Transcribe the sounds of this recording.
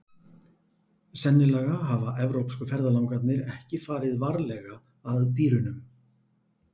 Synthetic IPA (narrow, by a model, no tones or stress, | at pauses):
sɛnːɪlaɣaɦavaʔɛvɾowpskʏfɛɾðalawŋkat̪nɪɾɛhcɪfaːɾɪðvaɾlɛɣaː | ðt̪iːɾʏnʏm